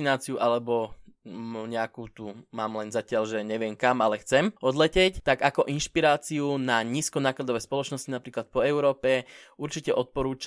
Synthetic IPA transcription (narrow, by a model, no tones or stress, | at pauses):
inaːt͡siuʔalɛbɔ | ɲɛakuːt̪umaːmlɛnzacɪaʎʒɛɲɛʋɪɛmkamalɛxt͡sɛmɔd̪lɛcɛct̪aɡakɔʔinʃpiɾaːt͡siunaɲiːskɔnaːklad̪ɔʋɛːspɔlɔt͡ʃnɔscinapɾiːklat̪̚pɔɛʊɾɔːpɛuɾt͡ʃicɛʔɔt̪̚pɔɾuːt͡ʃ